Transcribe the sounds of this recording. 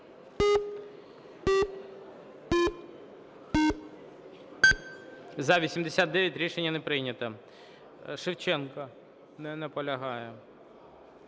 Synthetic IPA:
zɐʋʲisʲimd̪esʲat̪d̪ɛʋʲjɐtʲɾʲiʃenʲːɐnɛpɾɪnʲɐt̪ɐ | ʃɪwt͡ʃɛnkɐ | nɛnɛpɔlʲɐɦɑjɛ

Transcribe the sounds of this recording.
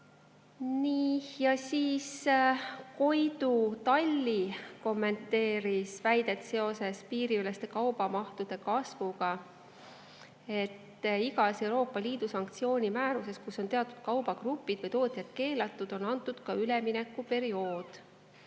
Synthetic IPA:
niːjɑsiːs | ko̞jd̪̥ut̪ɑlʲːiko̞mːe̞nt̪ːe̞ːɾisvæjd̪̥e̞t̪ːˑse̞o̞se̞spiːɾiylest̪e̞kɑwb̥ɑmɑht̪ud̪̥e̞kɑsvuɡ̥ɑ | e̞t̪ːiɡɑse̞wɾo̞ːpˑːɑliːd̪̥usɑŋk̚t̪sio̞ːnʲimæːɾuse̞skusːo̞nt̪e̞ɑt̪ːˑud̪̥̚kɑwbɑkrupːˑid̪̥vɤjt̪o̞ːt̪ˑjɑd̪̥̚ke̞ːlɑt̪ːˑud̪̥o̞nɑnt̪ːˑud̪̥kɑyleminɛkːˑupe̞ɾio̞ːd̪̥

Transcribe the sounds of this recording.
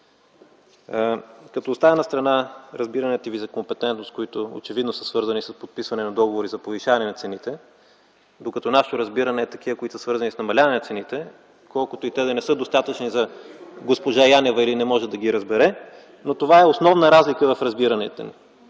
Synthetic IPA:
kɐt̪oːst̪aənɐst̪ɾɐnaɾɐzbiɾɐnɛt̪əvizɐkompɛt̪ɛnt̪nost̪̚koit̪oo̰t͡ʃɛvid̪nosə̥svɤɾzɐnisɐspot̪̚pisvɐnɛnɐd̪ɔɡovoɾizɐpoviʃavɐnɛnɐt̪sɛnit̪ɛ | d̪okɐt̪ɔnaʃɛt̪oɾɐzbiɾɐnɛːt̪ɐk̟ivəkoit̪səsvɤɾzɐnisnɐmɐlʲavɐnɛnɐt̪sɛnit̪ɛ | kɔlˠkʊt̪oit̪ɛd̪ɐnɛsɤd̪ost̪at̪ət͡ʃnizɐɡospoʒajanɛvəilinɛmɔʒɛd̪ɐɡiɾɐzbɛɾɛ | not̪ovaɛosnɔvnəɾazlikəvɐfɾɐzbiɾɐnɛ̰t̪ɛ̰nḭ

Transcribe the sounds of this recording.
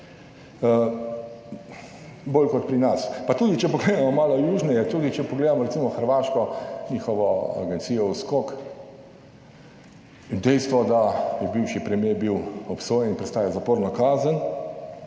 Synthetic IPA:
boːlkɔt̪̚pɾinaspat̪uːd̪it͡ʃɛpɔɡleːd̪amɔmaːlɔjuːʒnɛjɛt̪uːd̪it͡ʃɛpɔɡleːd̪amɔɾɛtsimɔxəɾʋaːʃkɔɲiːxɔʋɔa̰ɡɛnsiːjɔuskok | ind̪ɛjst̪ʋɔd̪ajɛbiwʃipɾɛmjeːbiwɔpsoːjɛninpɾɛt̪st̪aːjɛzapoːɾnɔkaːzən

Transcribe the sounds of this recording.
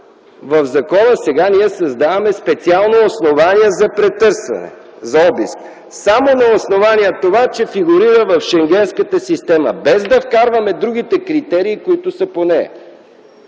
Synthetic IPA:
vəvzɐkɔnəsɛɡaniɛsɐzd̪avɐmɛspɛt̪sialˠnoːsnovaniɛzɐpɾɛt̪ɤɾsvɐ̰nɛ̰ | zɐɔbisk | samonɐosnovaniɛt̪ovat͡ʃɛfiɡuɾiɾəvəfʃɛŋɡʲɛnskət̪əsist̪ɛmə̰bɛzd̪ɐfkaɾvɐmɛd̪ɾuɡ̟it̪ɛkɾit̪ɛɾiːkoit̪ʊsəponɛ̰

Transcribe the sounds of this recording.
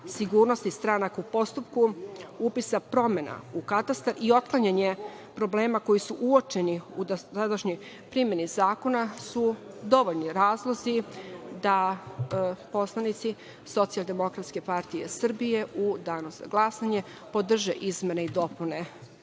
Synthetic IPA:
siɡuːɾnost̪ist̪ɾanakaupo̞st̪upkuupisapɾo̞me̞na̰ukat̪ast̪aɾio̞t̪̚klˠaɲaɲe̞ | pɾo̞ble̞ːmako̞jisuʔuot͡ʃeniuad̪aʃɲoj | pɾime̞nizaːko̞nasud̪o̞ʋoʎniɾaːzlˠo̞zid̪a | po̞slˠanit̪si | so̞t̪sialˠd̪e̞mo̞kɾat̪ske̞paɾt̪ijesr̩bije̞ʔud̪aːnoza̰ɡlˠasaɲe̞ | po̞d̪r̩ʒeʔizme̞neid̪o̞pune

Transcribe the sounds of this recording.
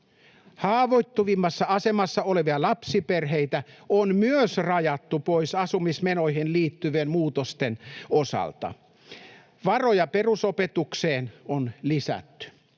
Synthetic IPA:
hɑːʋoit̪ːuʋimːɑsːɑɑsemɑsːɑoleʋiɑlɑpsiperɦeit̪æonmyøsrɑjɑt̪ːupoisɑsumismenoihenliːt̪ːyʋeːmmuːt̪ost̪enosɑ̰lt̪ɑ̰ | ʋɑrojɑperusopet̪ukseːnonlisæ̰t̪ːy̥

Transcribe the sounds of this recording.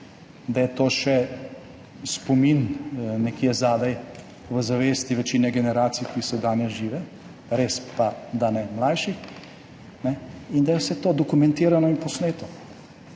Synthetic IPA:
d̪ajɛt̪oːʃɛ | spɔminnɛkjezaːd̪ɛj | ʋəzaʋeːst̪iʋɛt͡ʃiːnɛɡɛnɛɾaːt̪sijkisɔd̪aːnjɛʒiːʋɛ | ɾeːspad̪anɛmlajʃix | nɛind̪ajɛwsɛt̪oːd̪ɔkumɛnt̪iːɾanɔinpɔsneːt̪ɔ

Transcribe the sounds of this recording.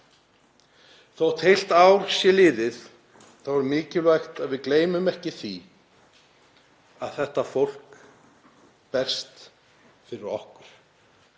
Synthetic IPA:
θowt̪ʰejl̥t̪aːwɾ̥sjɛlɪːðɪθ | θawvaɾmɪːcɪlvajxt̪aðvɪðkleːjmʏmɛhcɪθi | aðθɛht̪afowl̥k | pɛr̥st̪ | fɪɾɪɾɔhkʏɾ̥

